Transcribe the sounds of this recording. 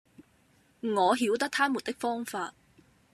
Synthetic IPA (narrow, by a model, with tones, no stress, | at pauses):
ŋɔː˨˧ɦiː˨˥wt̪ɐ˥k̚t̪ʰaː˥muː˨˩t̪ɪ˥k̚fɔː˥ŋfaː˧t̚